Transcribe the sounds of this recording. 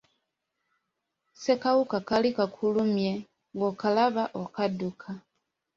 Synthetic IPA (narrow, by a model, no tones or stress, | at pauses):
se̞kawukakalikakʰulumje | ŋɡokalaβaʔokadukʰa